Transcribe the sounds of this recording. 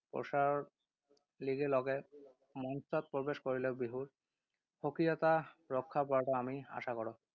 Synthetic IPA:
pɔ̰saɹ | liɡelɔɡɛ | mɔnsɔt̚pɹɔbeskoɹilɛbiɦuɹ | hokɹijɔt̪aɹɔkʰːap̬aʈaamia̰sakɔɹɔ

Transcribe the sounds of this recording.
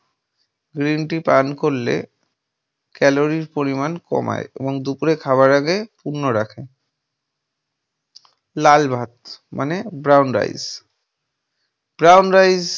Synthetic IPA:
ɡɾinʈipankoɾlḛ | kɛloɾiɾpoɾimankɔ̰ma̰jḛboŋd̪upuɾekʰabaɾaɡepuɾnoɾakʰe | lalbʱat̪̚mʔanebɾawnɾa̰jz | b̥ɾawnɾajz

